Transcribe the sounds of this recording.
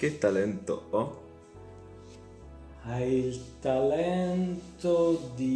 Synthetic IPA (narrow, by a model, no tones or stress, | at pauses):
ket̪ːalɛnt̪o̰ɔ | ailt̪alɛnt̪od̪i